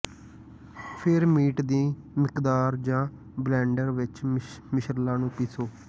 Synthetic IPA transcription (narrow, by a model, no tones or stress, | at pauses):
pʰɪɾmiːʈd̪iː | mɪkd̪aːɾd͡ʒãː | blɛ̃ːɳɖəɾʋɪt͡ʃmɪʃəɾlãːnũːpiːsoː